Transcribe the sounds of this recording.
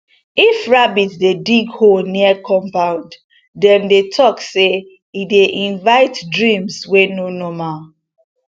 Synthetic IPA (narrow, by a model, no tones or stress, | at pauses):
ifɹabitdediɡholniəkɔ̃mpãʊ̃nd | dɛ̃ndetʰɔkse | ideʔĩnvaɪtdɹĩmswenonɔma